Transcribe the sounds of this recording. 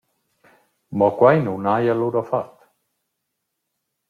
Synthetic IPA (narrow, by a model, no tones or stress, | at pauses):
mɔkwajnunajaluɾɔfat̪